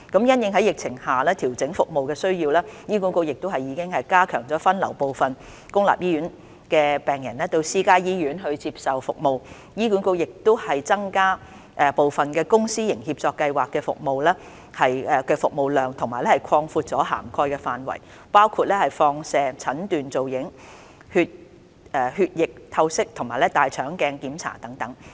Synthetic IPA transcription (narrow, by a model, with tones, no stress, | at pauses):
kɐ˨˥mjɐ˥njɪ˨˧ŋhɦɐ˨˥jɪ˨k̚t͡sʰɪ˨˩ŋhaː˨˩lɛː˥t̪ʰi˨˩wt͡sɪ˨˥ŋfʊ˨k̚mo˨wkɛː˧sɵ˥ɥjiː˧wlaː˥jiː˥k̬uː˨˥nko˧wjɪ˨k̚t̪o˥wɦɐ˨jiː˨˧kɪ˥ŋɦɐ˨jkaː˥kʰœ̰ː˨˩ŋt͡sɔː˨˥fɐ˥nlɐ˨˩wpo˨wfɐ˨n | kʊ˥ŋla̰ː˨p̚jiː˥jyː˨˥n | kɛː˧pɛː˨ŋjɐ̰˨˩nlɛː˥t̪o˧wsiː˥kaː˥jiː˥ɥyː˨˥nɦɵ˧ɥt͡siː˧p̚sɐ˨˩wfʊ˨k̚mo˨w | jiː˥kuː˨˥nko˧wjɪ˨k̚t̪ʊ˥hɐ˨jt͡sɐ˥ŋkaː˥ | ʔɛ˨˧po˨wfɐ˨nkɛː˧kʊ˥ŋsiː˥jɪ˨˩ŋhiː˧p̚t͡sɔː˧kːɐ˧jwaː˨kːɛː˧fʊ̰˨k̚mo˨wlɛː˥ | hɐ˨jɛ˨˧kɛː˧fʊ˨k̚mo˨wlœː˨ŋt̪ʰʊ˨˩ŋmaː˨˩jlɛ˥hɐ˨˩jkʰɔː˧ŋfuː˧t̚t͡sɔː˨˥ɦa̰ː˨˩mkʰɔː˧jkɛː˧faː˨nwɐ̰˨˩j | paː˥wkʰuː˧t̚lɛː˥hɐ˨˩jfɔː˧ŋsɛː˨ŋt͡sʰɐ˨˥nt̪yː˨nt͡so˨wjɪ˨˥ŋ | hyː˧t̚ | ɛː˨˩hyː˧t̚jɪ˨k̚t̪ʰɐ˧wsɪ˥k̚t̪ʰʊ˨˩maː˨˩jlɛ˥t̪aː˨jt͡ʃʰœː˨˥ŋkɛː˧ŋkiː˨˥mt͡sʰa̰ː˨˩t̪ɐ˨˥ŋt̪ɐ˨˥ŋ